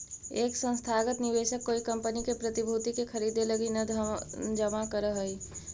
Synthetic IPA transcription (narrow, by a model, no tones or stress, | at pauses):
eːksə̃nst̪ʰaːɡət̪nɪʋeːʃəkːoːikɐ̃mpənikepɾət̪ibʱuːt̪ikekʰɐɾiːd̪eləɡinɐ | d͡ʒəmakəɾəɦəi